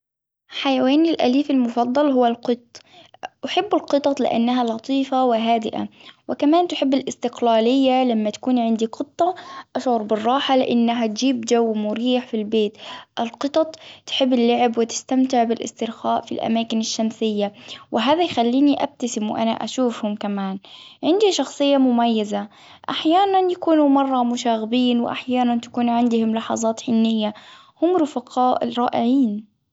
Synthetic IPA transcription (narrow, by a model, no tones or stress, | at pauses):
ħajaweːnɪlʔa̰liːfalmʊfɑd̪ˤːɑlɦʊwːalqɨt̪ˤː | ʔaħɪbːɪlqɨt̪ˤɑt̪ˤlɪ̰ʔa̰nːaɦalɑt̪ˤiːfawɪɦaːd̪ɪʔa̰wɪkamaːnt̪ħɪbːɪlʔɪst̪ɪqlaːlɪjːalamːat̪ḁkuːnʕɪnd̪iqɨt̪ˤːɑʔaʃʕʊɾbɪrˤːɑːħalɪʔɪnːaɦat̪d͡ʒiːbd͡ʒawːmʊɾiːħfilbeːt̪ʔɪlqɨt̪ˤɑt̪ˤt̪ħɪbːɪlːaʕɪbwɪt̪ɪ̥st̪amt̪ɪʕbɪlʔɪ̰st̪ɪɾxaːʔfilʔa̰maːkɪnɪʃːamsɪjːawʔɪɦaːðajxalːiːniʔa̰b̚t̪asɪmwʔa̰na̰ʔa̰ʃuːfhʊmkamaːnʕɪnd̪iʃɑxsˤɨjːamʊmajːaza | ʔaħjaːnanjakuːnumɑrˤːɑmʊʃaːɣɪbiːnwɪ̰ʔa̰ħjaːnant̪ḁkuːnʕɪnd̪ʊhʊmlɑħɑ̰zˤɑːt̪ħɪnːɪjːa | hʊmɾʊfɑqʰɑːʔɾˤɑːʔɪʕiːn